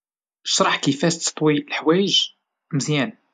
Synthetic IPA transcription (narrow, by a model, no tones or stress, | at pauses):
ʃɾˤɑħkəfæʃt̪t̪ˤwilħwæjəʒ | məzjæn